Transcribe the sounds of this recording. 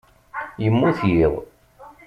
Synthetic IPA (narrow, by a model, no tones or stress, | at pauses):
jəmːuθjiʁˤ